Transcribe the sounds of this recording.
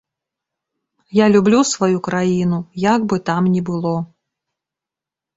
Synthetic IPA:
jalʲublʲusvajukɾajinujaɡbɨt̪amnʲɛbɨlˠɔ

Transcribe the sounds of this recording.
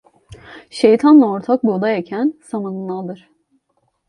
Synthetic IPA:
ʃejt̪ʰanlˠao̞ɾt̪ʰak̚bud̪ajacʰænsamɯnɯnːˠad̪ɯɾ̥

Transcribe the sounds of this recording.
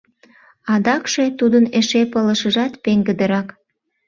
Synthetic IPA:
ɑd̪ɑkʃet̪ud̪əneʃepələʃəʒɑt̪peŋɡəd̪əɾɑk

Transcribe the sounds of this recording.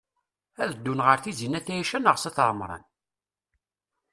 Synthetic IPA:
æðəd̪ːunʁəɾθizinæθæjæʃænəʁsɑθɾˤəmɾˤɑ̰n

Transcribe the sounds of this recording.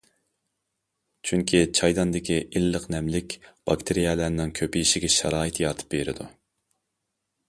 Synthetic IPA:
t͡ʃʰyŋkʲʰit͡ʃʰɑjd̪ɑnd̪ɪkʲiʔilːəqnɛmlɪkʲb̥ɑkt̪ʰɪɾijɛlænɪŋkʲʰøpɪiʃɪɡʲɛʃɑ̰ɾɑːɨt̪jɑt̪ʰɨ̥p̚ːbeɾɪ̰d̪u

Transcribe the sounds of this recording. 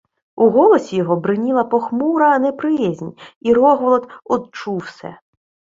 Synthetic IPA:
uɦɔlˠɔsʲijɔɦɔbɾɪnʲilˠɐpɔxmuɾɐːnɛpɾɪjɛzʲnʲiɾɔɦɔlˠɔd̪ɔd̪̚t͡ʃuwsɛ̰

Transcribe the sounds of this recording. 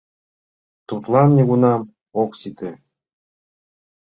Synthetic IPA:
t̪ut̪lˠɑmnʲeɡunɑm | oksit̪ɘ

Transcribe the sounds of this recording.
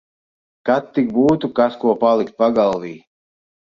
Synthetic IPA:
kat̪ːik̚buːt̪ukaskuɔpalˠikt̪̚paɡalˠviː

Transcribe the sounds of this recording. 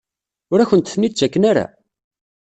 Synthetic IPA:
ʊɾæçənt̪θnit͡ʃːækːənaɾa̰

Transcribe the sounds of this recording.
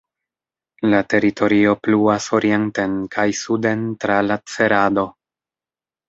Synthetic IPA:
late̞ɾitʰo̞ɾio̞pluaso̞ɾʔie̞nte̞nkʰajsude̞ntɾalat͡se̞ɾado̞

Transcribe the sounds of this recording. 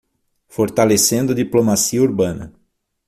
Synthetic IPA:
foɾt̪alesẽnd̪ʊɐd̪iplomasiɐuɾbɐ̃nɐ̰

